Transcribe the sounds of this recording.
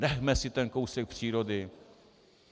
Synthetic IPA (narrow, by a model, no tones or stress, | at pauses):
ɾɛɦmɛsɪt̪ɛnkowsɛk̚pr̥iːɾodɪ